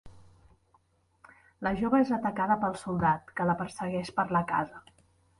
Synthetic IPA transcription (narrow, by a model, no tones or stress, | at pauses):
ləʒoβəezət̪əkaðəpəlˠsulˠd̪at̪̚kələpəɾsəɣɛʃpəɾləka̰zə